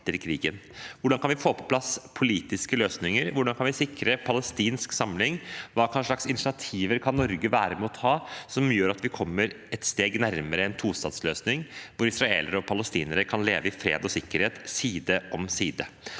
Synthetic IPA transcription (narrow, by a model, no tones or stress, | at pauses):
əɾkʰɾiːɡənʋʊɖɑnkʰɑnʋɪfoːpʰɔ̥pʰlɑspʰʊliːt̪ɪskəløːsnɪŋəɾʋʊɖɑnkʰɑnʋɪsɪkɾəpʰɑləst̪iːnsksɑmlɪŋʋɑːkʰɑnʂɭɑksɪnɪt̪ɪɑt̪ʰiːʋəɾkʰɑnːɔɾɡəʋæːɾəmɛɔt̪ʰhɑːsɔmjøːɾɑt̪ʋɪkʰɔmːəɾ | ɛt̪st̪eːɡnæɾməɾəɛnt̪ʰuːst̪ɑːd̪sløːsnɪŋʋʊɾɪsɾɑḛːləɾəɔpʰɑləst̪iːnəɾəkʰɑnlḛːʋəɪfɾḛːd̪ɔsɪkːəɾheːt̪siːd̪əʔɔmsiːd̪ə